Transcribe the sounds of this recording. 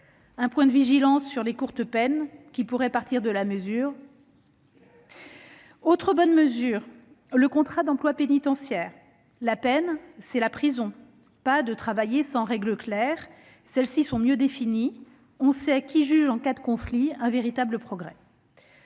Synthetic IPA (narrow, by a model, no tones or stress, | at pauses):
ɛ̃pwɛ̃d̪əviʒilɑ̃sːyʁlekuʁt̪əpɛnkʲipuʁɛpaʁt̪ʰiʁd̪əlaməzyːʁ | ot̪χəbɔnməzyːʁ | ləkɔ̃t̪χad̪ɑ̃plwapenit̪ɑ̃sjɛːʁ | lapɛnsɛlapχizɔ̃ | pad̪ət̪χavajesɑ̃ʁɛɡləklɛʁ | sɛlsisɔ̃mjød̪efini | ɔ̃sɛkʲiʒyʒɑ̃kad̪əkɔ̃fliɛ̃veʁit̪abləpχɔɡʁɛ